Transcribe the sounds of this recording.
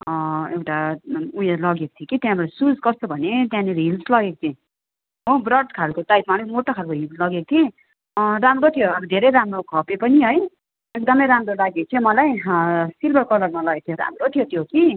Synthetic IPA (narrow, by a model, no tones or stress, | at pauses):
ewʈaujelʌɡeko̥t̪ʰjikit̪jãbʌɾasud͡zkʌst̪obʱʌnet̪jãniɾɦilslʌɡek̚o̥t͡s̪ʰĩ | ɦobrʌɖkʰalkot̪ajt̪manʌkmoʈokʰalkoɦilslʌɡekot̪ʰe | ramrot̪ʰijoʌbʌd̪ʱeɾʌjɾamrokʰʌpepʌniɦʌj | ek̚d̪ʌmʌjɾamrolaɡek̚t̪ʰjõmʌlajsilbʱʌrkʌlʌɡmʌlʌɡek̚t̪ʰjoɾa̰mrot̪ʰijot̪ʰijoki